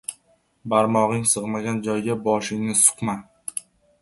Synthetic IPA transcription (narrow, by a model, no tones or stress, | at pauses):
baɾmɒʁɪŋsɨʁmaɡʲand͡ʒɒjɡʲabɒʃɪŋnɪsʊ̥qma